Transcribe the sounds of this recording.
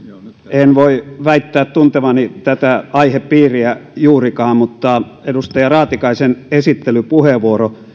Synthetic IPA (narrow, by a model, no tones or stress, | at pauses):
enʋoiʋæit̪ːæːt̪t̪unt̪eʋɑnit̪æt̪æɑiheppiːriæjuːrikɑːmmut̪ːɑedust̪ɑjɑrɑːt̪ikɑisenesit̪ːelypuheʋuoro